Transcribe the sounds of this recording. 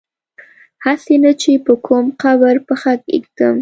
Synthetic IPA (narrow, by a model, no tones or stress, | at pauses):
hasenat͡ʃepəkʰomqabəɾpəxakḭk̚t̪əm